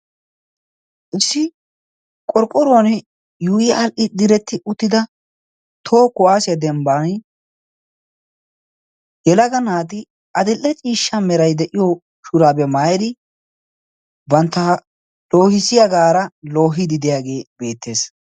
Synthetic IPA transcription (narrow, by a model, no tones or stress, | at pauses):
ʔɪsːɪ | kʼɔɾkʼːɔɾoːnɛ | juːjɪɐlʔɪd̪ɪɾɛt̪ːɪʔʊt̪ːɪd̪ɐ | t̪ʰoːkʊʔaːsɪjɐd̪ɛmbaːn | jɛlɐɡɐnaːt̪ɪ | ʔɐd̪ɪlːɛt͡ʃʼiːʃːɐmɛɾɐjd̪ɛʔɪjɔ | ʃʊɾaːbɛmaːjɛd̪ɪ | bɐnt̪ːɐ | loːhɪsɪjɐɡaːɾɐlo̞ːɦɪd̪ɪd̪ɪjaːɡe̞ːbe̞ːt̪ːe̞ːs